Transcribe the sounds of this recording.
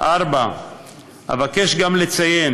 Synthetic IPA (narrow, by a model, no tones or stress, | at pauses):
ʔaɾba | a̰vake̞ʃɡamle̞t͡saje̞n